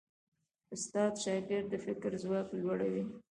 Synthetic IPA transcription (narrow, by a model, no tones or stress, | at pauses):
ʊst̪ɑd̪ʃɑɡɪɾd̪əfɪkɾzwɑklwaɽawi